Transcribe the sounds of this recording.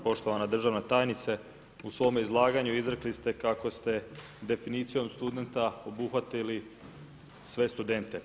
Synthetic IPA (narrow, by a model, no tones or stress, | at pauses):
po̞ʃt̪o̞ʋanad̪r̩ʒaʋnat̪aːjnit̪se | usʋo̞meizlˠaːɡaɲuizɾeklist̪e̞kako̞st̪e̞ | d̪e̞finiːt̪sijo̞mst̪ud̪e̞nt̪ao̞buxʋat̪ili | sʋe̞st̪ud̪e̞nt̪e̞